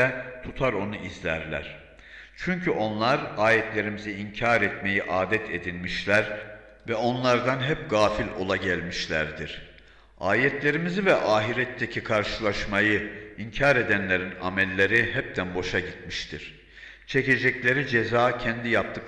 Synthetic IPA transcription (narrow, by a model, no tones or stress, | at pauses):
ɛt̪ʰut̪ʰaɾo̞nuizlʲæɾlʲæ̰ɾ̥ | t͡ʃʰyɲcʰyʔo̞nlˠaɾaːjɛt̪ʰlʲe̞ɾimiziiɲcʰaɾɛt̪me̞jiʔaːd̪ɛt̪ʰed̪inʲmiʃlʲæɾ | vɛo̞nlˠaɾd̪anɦɛp̚ɡaːfilʲo̞̰lˠaɟælʲmiʃlʲæɾd̪iɾ̥ | aːjɛt̪ʰlʲe̞ɾimizivɛʔaːɦiɾɛt̪ʰːecʰikʰaɾʃɯlˠaʃmajɯiɲcʰaːɾed̪ænlʲe̞ɾina̰mɛlʲːe̞ɾiɦɛp̚t̪ʰænbo̞ʃaɟit̪miʃt̪ʰiɾ̥ | t͡ʃʰece̞d͡ʒɛclʲe̞ɾid͡ʒezaːcʰɛnd̪ijap̚t̪ʰɯk